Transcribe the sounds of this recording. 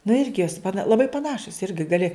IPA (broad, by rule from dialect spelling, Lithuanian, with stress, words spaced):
nʊ ˈɪrʲɡʲɪ joːs pɐˈnɐ lˠɐˈbɐɪ pɐˈnɑːʃʊs ˈɪrʲɡʲɪ ɡɐˈlʲɪ